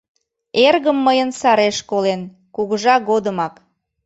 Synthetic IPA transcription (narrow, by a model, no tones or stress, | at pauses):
erɣəmːəjənsɑɾeʃkolen | kuɣəʒɑɣod̪əmɑk